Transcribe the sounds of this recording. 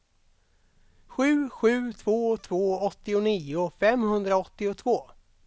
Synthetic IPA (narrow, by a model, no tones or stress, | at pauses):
ɧʉ̟ːɧʉ̟ːt̪ʰvoːt̪ʰvoːɔt̪ːɪʊniːʊfɛmhɵnd̪ɾaɔt̪ːɪʊt̪ʰvoː